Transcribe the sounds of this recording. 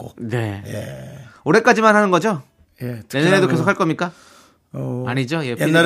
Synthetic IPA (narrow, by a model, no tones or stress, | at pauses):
one̞ | oɾe̞k͈ad͡ʑimanɦanɯnɡʌd͡ʑo | jetjenːaɾedoke̞sʰokʰaɭk͈ʌmɲik͈a | aɲid͡ʑojenːa